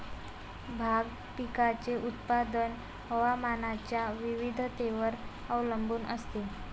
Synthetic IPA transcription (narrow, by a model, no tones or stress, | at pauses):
bʱaɡ | pikat͡seʔut̪pad̪ən | ɦəʋamanat͡ɕjaʋiʋid̪ʱt̪eʋəɾ | əwləmbuːnʔəst̪e